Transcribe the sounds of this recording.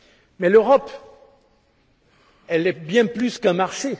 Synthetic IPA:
mɛløʁɔp | ɛlɛbjɛ̃plyskɛ̃maʁʃe

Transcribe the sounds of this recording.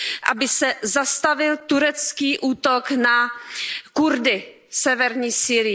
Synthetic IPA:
ʔa̰bɪsɛzast̪avɪlt̪uɾɛt͡skiːʔuːt̪okna | kuɾdɪ | sɛvɛɾɲiːsiːɾɪ

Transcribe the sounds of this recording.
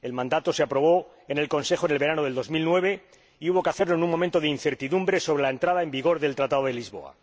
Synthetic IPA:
e̞lmãnd̪at̪o̞seapɾo̞β̞o̞ | ene̞lko̞nse̞xo̞ne̞lβe̞ɾanoðeld̪o̞zmilnwe̞β̞e̞ | iuβo̞keaθeɾlo̞enuŋmo̞ment̪o̞ðeinθe̞ɾt̪iðumbɾe̞so̞β̞ɾe̞lae̞nt̪ɾað̞ae̞mbiɣ̞o̞ɾðe̞lt̪ɾat̪aðoð̞e̞lizβo̞̰a̰

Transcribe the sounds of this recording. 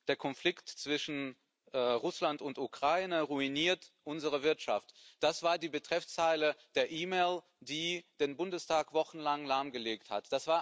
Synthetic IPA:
d̥eːɐkʰɔnflɪktt͡sv̥ɪʃn̩ː | ʁʊslantʊntukʁ̥aɪnəʁuiniːɐtʔʊnzəʁ̞əvɪɐtʃa̰ftd̥asv̥aːɐdiːbətʁ̥ɛft͡saɪləd̥eːɐʔiːmeːl | d̥iːd̥eːnbʊndəstʰaːkv̥ɔχn̩laŋlaɐmɡəleːktha̰td̥asv̥aːɐ

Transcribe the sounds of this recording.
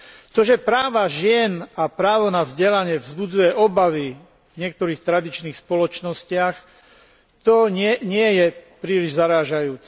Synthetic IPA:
t̪ɔʒɛpɾaːʋaʒɪɛnapɾaːʋɔnavzɟɛlaɲɪɛvzbud͡zujɛʔɔbaʋi | vɲɪɛk̚t̪ɔɾiːxt̪ɾad̪it͡ʃniːxspɔlɔt͡ʃnɔscɪax | t̪ɔɲɪɛɲɪɛjɛpɾiːliʒzaɾaːʒajuːt͡sɛ

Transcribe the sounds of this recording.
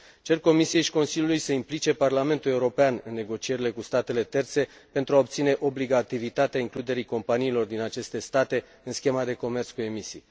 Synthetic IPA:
t͡ʃe̞rko̞misije̞jʃi̥ko̞nsilʲjulujsəimplit͡ʃe̞parlame̞nt̪ule̞uɾo̞peanɨnːe̞ɡo̞t͡ʃie̞ɾile̞kust̪at̪e̞le̞t̪e̞rt̪se̞ | pe̞nt̪ɾuao̞p̚t̪sine̞ʔo̞bliɡat̪ivit̪at̪eaiŋklud̪e̞ɾiko̞mpaniːlo̞rd̪inat͡ʃe̞st̪e̞st̪at̪e̞ | ɨnskʲe̞mad̪e̞ko̞me̞rt̪skue̞misij

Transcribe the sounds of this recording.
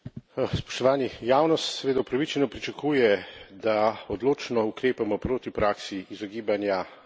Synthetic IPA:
spɔ̥ʃt̪ɔʋaːnijaːwnɔst̪sɛʋeːd̪aupɾaʋit͡ʃɛnɔpɾit͡ʃakuːjɛd̪aɔd̪loːt͡ʃnɔukɾeːpamɔpɾoːt̪ipɾaːksiːzɔɡiːbanja

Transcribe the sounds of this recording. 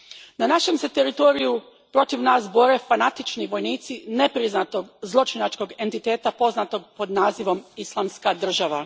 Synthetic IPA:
nanaʃe̞mse̞t̪e̞ɾit̪o̞ɾiju | pɾo̞t̪iʋnaːs̬bo̞ɾe̞fanat̪it͡ʃniʋo̞jniːt̪sine̞pɾiznat̪o̞ɡzlˠo̞t͡ʃinat͡ʃko̞ɡe̞nt̪it̪e̞ːt̪apo̞znat̪o̞ɡ̚po̞d̪naːziʋo̞mislˠaːmskad̪r̩ʒaʋa

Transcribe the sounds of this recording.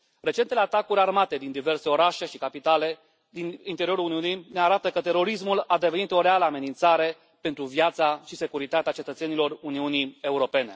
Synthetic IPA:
ɾe̞t͡ʃent̪eleat̪akuɾʲarmat̪e̞d̪ind̪ive̞rse̞o̞ɾaʃe̞ʃikapit̪ale̞ | d̪inint̪eɾio̞ɾuluniunijne̞aɾat̪əkət̪e̞ɾo̞ɾis̬mulad̪e̞veit̪o̞ɾealəame̞nint̪saɾe̞ | pe̞nt̪ɾuvjat̪saʃise̞kuɾit̪at̪eat͡ʃe̞t̪ət̪se̞nilo̞runiunie̞uɾo̞pe̞ne̞

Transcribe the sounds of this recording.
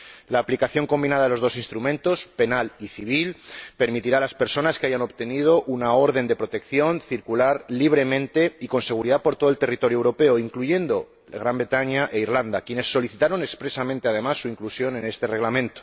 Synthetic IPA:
laːplikaθjo̞ŋko̞mbinaðaðelo̞zðo̞sinst̪ɾumẽnt̪o̞spe̞naliθiβ̞ilpe̞ɾmit̪iɾalaspe̞ɾso̞naskeaʝano̞βt̪e̞nið̞o̞ʔunao̞ɾð̞e̞nd̪e̞pɾo̞t̪e̞kθjo̞nθiɾkulaɾliβ̞ɾe̞mẽ̞nt̪e̞iko̞nse̞ɣ̞uɾiðapo̞ɾt̪oðolt̪e̞rit̪o̞ɾjowɾo̞pe̞oiŋkluʝe̞nd̪o̞ | ɣɾambɾe̞t̪aɲaʔe̞iɾland̪akje̞ne̞sːo̞liθit̪aɾo̞nekspɾe̞samẽnt̪e̞að̞e̞masːuiŋklusjo̞ne̞ne̞st̪e̞re̞ɣlamẽnt̪o̥

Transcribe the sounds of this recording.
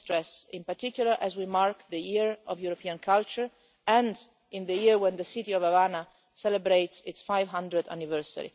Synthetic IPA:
t̪ɾɛsĩmpaɾt̪ikjulaɹʔɛzwimaɹkd̪əjiɹɔvjuɾɔpiãnkʰalt͡ʃəɹ | ɛ̃nd | ĩnd̪əjiɹwɛ̃nd̪əsit̪iɔvavana | sɛləbɾejtsɪtsfajvɦãnd̪ɹəd̪a̰nivɛɹsə̰ɾḭ

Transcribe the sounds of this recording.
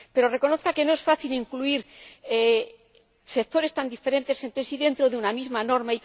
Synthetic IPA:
pe̞ɾo̞re̞ko̞noθkake̞no̞e̞sfaθiliŋkluiɾe | sek̚t̪o̞ɾe̞st̪and̪ife̞ɾẽ̞nt̪e̞sːe̞nt̪esiðe̞nt̪ɾo̞ðeunamizmano̞ɾmai

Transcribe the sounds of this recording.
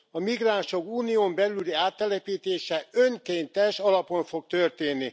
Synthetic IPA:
ɒmiɡraːnʃo̞kuːnijoːmbɛlyliaːt̪ːɛlɛpiːt̪eːʃɛøŋkeːnt̪ɛʃɒlɒpo̞ɱfo̞k̚t̪ørt̪eːnːi

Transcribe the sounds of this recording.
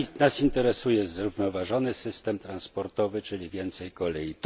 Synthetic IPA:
nasint̪ɛɾɛsujɛzɾuvnɔvaʐɔnɘsɘst̪ɛmt̪ɾanspɔɾt̪ɔvɘt͡ʂɘlʲivʲjɛnt̪sɛjkɔlɛjit̪

